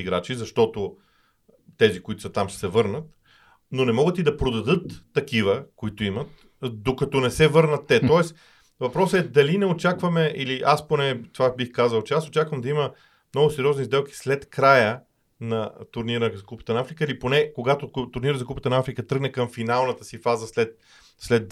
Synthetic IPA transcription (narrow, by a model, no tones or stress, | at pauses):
iɡɾat͡ʃizɐʃt̪ɔt̪o | t̪ɛzikʊit̪ʊ̥sɐt̪amʃsɛvɤɾnət̪ | nonɛmɔɡət̪id̪ɐpɾod̪ɐd̪ɤt̪ːɐkivəkoit̪oimət̪ | d̪okɐt̪ɔnɛsɛvɤɾnət̪ːɛt̪ɔɛs | vɐpɾɔsəɛd̪ɐlinɛot͡ʃakvɐmɛʔiliʔasponɛt̪ovabixkazəlˠt͡ʃɛasot͡ʃakvəmd̪ɐimə | mnɔɡʊsɛɾʲiɔznizd̪ɛlˠki̥slɛt̪kɾajə | nɐt̪ʊɾniɾəzɐkupə̥t̪ənɐafɾikəiliponɛkoɡat̪ot̪ʊɾniɾəzɐkupət̪ənɐafɾikət̪ɾɤɡnɛkɐmfinalˠnət̪əsifazəslɛt̪̚ | slɛt̪